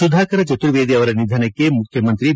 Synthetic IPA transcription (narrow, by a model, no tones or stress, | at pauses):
ud̪ʱaːkɐɾɐt͡ʃɐt̪uɾʋeːd̪iɐʋɐɾɐnid̪ʱɐnɐkːemukʰjɐmɐnt̪ɾi